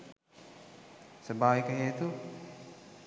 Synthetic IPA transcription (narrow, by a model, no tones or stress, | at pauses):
səbaːʋikəɦeːt̪u